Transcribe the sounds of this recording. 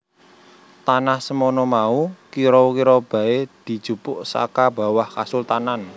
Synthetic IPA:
t̪anahsəmonɔmaukiɾokiɾɔb̥ä̤ed̪̥i̤̥ʒ̥ṳpʊʔsa̰kab̥a̤wahka̰sʊlt̪anan

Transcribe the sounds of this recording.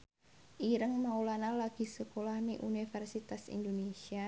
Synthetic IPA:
ʔiɾəŋmaulanalaɡ̥isəkolahmiʔunifɛrsit̪asḭndonesia

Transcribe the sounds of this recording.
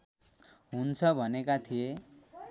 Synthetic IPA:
ɦunt͡sʰʌbʱʌnekat̪ʰie

